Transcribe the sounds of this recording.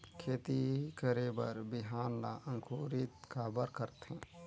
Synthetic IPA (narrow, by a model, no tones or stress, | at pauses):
kʰeːt̪ikəɾebəɾbɪɦaːnla̰ə̃ŋkʰuːɾit̪kaːbəɾkəɾt̪ɦɛ̃ː